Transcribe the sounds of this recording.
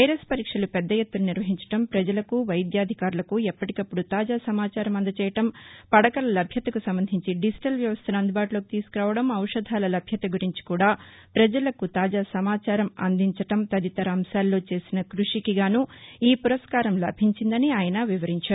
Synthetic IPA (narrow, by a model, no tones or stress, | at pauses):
ɐjɐɾespɐɾiːkʂɐlupɛd̪ːɐjet̪ːuluniɾʋɐɦiɲt͡ʃɐ̥ʈɐmpɾɐd͡ʒɐlɐkuʋɐjd̪jaːd̪ʱikaːɾulɐkuɛpːɐʈikɐpːuɽut̪aːd͡ʒaːsɐmaːt͡ʃaːɾɐmɐnd̪ɐt͡ʃɛːjɐʈɐmpɐɽɐkɐlɐlɐbʱjɐt̪ɐkusɐmbɐnd̪ʱiɲt͡ʃiɖisi̥ʈɐlʋjɐʋɐst̪ʰɐnɐnd̪ubaːʈulo̞ːkit̪iːsu̥kuɾaːʋɐɽɐmɐwʂɐd̪ʱaːlɐlɐbʱjɐt̪ɐɡuɾiɲt͡ʃi̥kuːɽaː | pɾɐd͡ʒɐlɐkut̪aːd͡ʒaːsɐmaːt͡ʃaːɾɐmɐ̰nd̪iɲt͡ʃɐʈɐmt̪ɐd̪it̪ɐɾɐɐmsaːlːo̞ːt͡ʃe̞ːsinɐkɾuʂikiɡaːnuiːpuɾɐskaːɾɐmlɐ̰bʱiɲt͡ʃind̪ɐniaːjɐnɐʋiʋɐɾiɲt͡ʃaːɾu